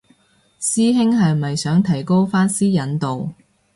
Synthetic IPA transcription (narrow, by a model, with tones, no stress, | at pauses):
siː˥ɦɪ˥ŋɦɐ˨jmɐ˨jsœː˨˥ŋt̪ʰɐ˨˩jko˥wfaː˥nsiː˥jɐ˨˥nt̪o˨w